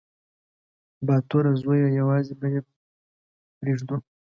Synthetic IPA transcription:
bɑt̪oɾazojajawɑzibaje | pɾeʐd̪u

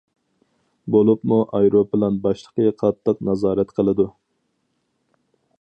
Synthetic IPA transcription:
bolˠupmuʔɑjɾopɪlɑnbɑʃlˠəqəqʰɑt̪ʰːɨqnɑzɑːɾɛt̪qʰəlˠɨd̪u

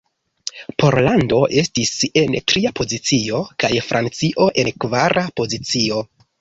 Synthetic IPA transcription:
pʰo̞ɾlando̞ʔe̞stise̞ntɾiapo̞zit͡sio̞kajfɾʔant͡siʔo̞ʔe̞nkvaɾʔapo̞zit͡sio̞

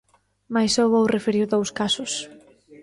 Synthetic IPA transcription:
majsowβowrefeɾiwðowskasʊs

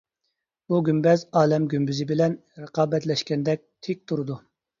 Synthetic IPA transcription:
b̥uɡʲymbɛzɑːlɛmɡʲymbyzɪbɪlɛnɾəqʰɑːbɛt̪lɛʃkʲɛnd̪ɛk̚ʲt̪ʰɪk̚ʲt̪ʰuɾɨd̪u

